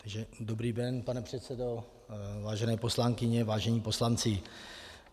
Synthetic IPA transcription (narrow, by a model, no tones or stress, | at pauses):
t̪aɡʒɛdo̞bɾiːdɛnpanɛpr̝̥ɛt̪t͡sɛdo̞ | vaːʒɛnɛːpo̞slaŋkɪɲɛvaːʒɛɲiːpo̞slant͡sɪ